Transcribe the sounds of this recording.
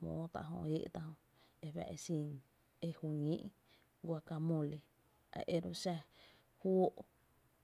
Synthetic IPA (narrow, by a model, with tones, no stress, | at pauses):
mõ̰ː˨˦t̪a̰˧ʔɦõ̰˧ʔe˦ʔt̪a˧hõ˧ | e˧wɛ̰˧ʔe˧si˧˨ŋ | e˦˧hu˧ŋĩ˦ʔ | ɡʷa˧ka˧mõ˧˨le˧ | a̰˨ʔe˦˧ɾo˧ʃa˧ | hwo˦ʔ